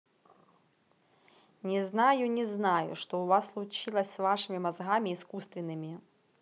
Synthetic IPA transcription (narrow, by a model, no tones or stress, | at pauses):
nʲɛznajunʲɛznajʊ̰ʂt̪ɔwvasːlˠut͡ʃilˠɐsʲsvaʂɨmʲimazɣamʲiːskust̪vʲɪnːɨmʲi